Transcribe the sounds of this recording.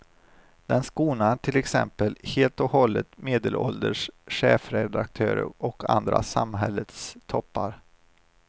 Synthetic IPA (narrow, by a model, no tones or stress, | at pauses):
d̪̥ɛnskuːnaʈʰɪlɛksɛmpəlheːlt̪ɔhɔlːət̪meːd̪əlʔɔld̪əʂɧeːfɾɛd̪ak̚t̪ʰøːɾə̰ɾʔɔkʰand̪ɾa̰samɦɛlːət̪st̪ʰɔpːaɾ